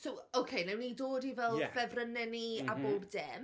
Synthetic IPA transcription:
sowowkʰejnɛwnidoːdivɛlˠjɛfɛvrənɛniaboːbd̥ɛːm

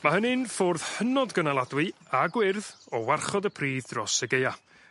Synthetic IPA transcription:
mahənɪnfʊrð̥hənɔdɡənalˠadwɨaɡwɪrðɔwarχɔdəpʰriːðdrɔsəɡeja

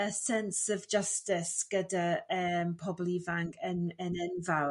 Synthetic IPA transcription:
əsɛnsɔvd͡ʒəstɪsɡ̥ədaəːmpʰɔblˠivaŋkʰənənɛnva

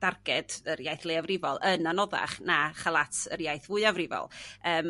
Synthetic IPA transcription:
d̥arɡ̥ɛdərjajθlˠeavrɪvɔlˠənanɔða̰χnaχalˠatʰərjajθvʊɨavrɪvɔ̰lˠəːm

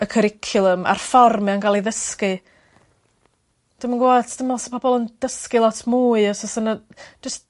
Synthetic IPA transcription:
əkʰəɾɪkʰjʊlˠəma̰rfɔrmanɡalˠiðəskɨ | d̥ɪmənɡwatʰd̥ɪmalˠaspʰɔbɔlˠənd̥əskilˠɔtʰmuːɨɔsɔsənə̥d͡ʒ̥əst

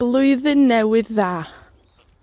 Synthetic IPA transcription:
lˠʊɨðənːɛwɨðːaː

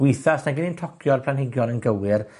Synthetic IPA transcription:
wɪjθasnaɡɪnintʰɔkʰjɔrpʰl̥anhɪɡjɔnənɡəwɪr

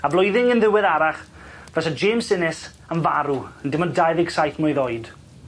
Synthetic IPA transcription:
ablˠɔjðɪŋənðɪwɛðaɾaχ | v̥ɛsad͡ʒeːmsɪnɪs | ənvaɾuəndɪmɔndajðɪɡ̥sajθmɔɨðojd̥

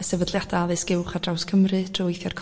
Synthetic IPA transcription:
əsɛvədlˠjadaðɨsɡɪwχad̥rawskʰəmrɨd̥ʰrʊjθjɔrkʰ

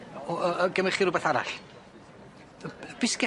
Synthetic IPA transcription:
ɔɡəmɪχiɾʊbaθaɾa̰ɬ | b̥ɪskɛ

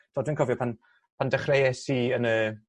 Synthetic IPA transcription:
d̥ɔːdwɪnkʰɔvjɔpʰan | pʰandɛχrejɛsiənə

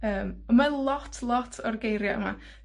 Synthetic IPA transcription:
əːməmalˠɔtʰlˠɔtʰɔrɡejɾjaʔə̰ma̰

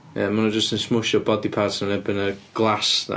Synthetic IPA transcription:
ə̰mʊnəd͡ʒəstənsmʊʃɔbɔdipʰadsanɛbɪnəɡ̥lˠasna̰

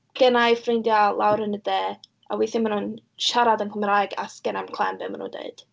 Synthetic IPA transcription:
ɡ̥ɛnajfrejndjalˠawɾənədɛː | a̰wiːθɪmanun | ʃaɾadənkʰəmraːjɡa̰skɛnamkʰlˠɛmbḛmanṵndḛɨd̥

